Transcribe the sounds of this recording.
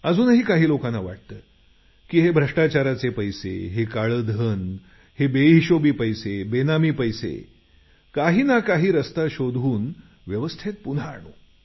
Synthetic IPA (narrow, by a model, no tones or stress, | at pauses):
əd͡zuːnɦiːkaɦiːlokanːaʋa̰ʈ̚t̪əː | kiːɦebʱɾəʂʈat͡ɕaɾat͡sepəjsḛɦekaɭəd̪ʱən | hebeiɕobiːpəjsebenamiːpəjsḛ | kaɦiːnakaɦiːɾəst̪aɕod̪ʱuːn | ʋjəʋəst̪ʰet̪̚pun̤aːɳ̃o̰